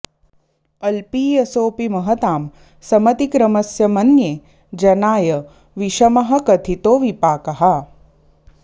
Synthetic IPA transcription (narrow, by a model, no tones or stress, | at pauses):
ɐlpiːjɐsoːpimɐɦɐt̪aːm | sɐmɐt̪ikɾɐmɐsjɐmɐnjeː | d͡ʒɐnaːjɐ | ʋiʃɐmɐɦɐkɐt̪ʰit̪oːʋipaːkɐɦɐ